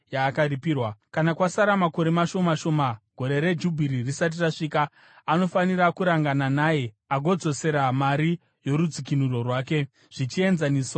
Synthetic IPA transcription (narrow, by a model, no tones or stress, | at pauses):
jaːkaripiːrwakanakwasaɾamako̞ɾe̞maʃo̞maʃo̞maɡ̥ʱo̞ɾe̞ɾe̞d͡ʒubʱiɾirisat̬iraʂiːkaː | no̞faniɾakuɾaŋɡananaːje̞ | aɡʱo̞d͡zo̞se̞ɾamaɾi | jo̞ɾud͡zikinuro̞rwaːke̞ | ʐ̥it͡ʃie̞nzaniːsa